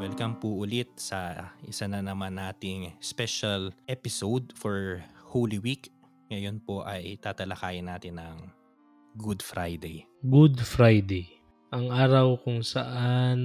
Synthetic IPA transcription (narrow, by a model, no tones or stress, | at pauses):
wɛlkɐmpuʔʊlɪt̪̚sɐʔɪsanɐnɐmanːaːt̪ɪŋspɛʃɐlʔɛpɪsowd̪̚foɹhowlɪwik | ŋɐjo̞npo̞ʔɐjt̪aːt̪ɐlɐkaːjɪnaːt̪ɪnːɐŋ | ɡʊd̪fɾʔajd̪ɛj | ɡud̪fɾajd̪ɛj | ʔɐŋʔaːɾɐwkʊŋsɐʔan